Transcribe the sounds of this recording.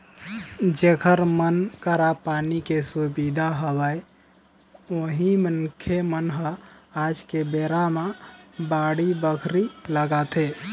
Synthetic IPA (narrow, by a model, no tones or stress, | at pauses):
d͡ʒekʰəɾmənkəɾapanikesubid̪ʱaɦəbəj | oɦimənkʰemənɦəad͡ʒkebeɾamabaɽibəkʰɾiləɡat̪e